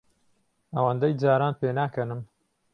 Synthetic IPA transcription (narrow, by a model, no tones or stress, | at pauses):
ɐwɐnd̪ɐjd͡zaːɾaːnpʰeːnaːkɐnɨm